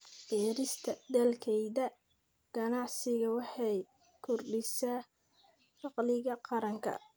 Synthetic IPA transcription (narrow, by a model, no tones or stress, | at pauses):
bɛːɾɪst̪ʰɐd̪ɐlkʰɛjðɐ | ɡ̥ɐnɑʕsɪɣɐwɑħɑj | kʰʊrɖɪsaː | fɑqlɪɣɐqɑɾɐŋkʰɐ̰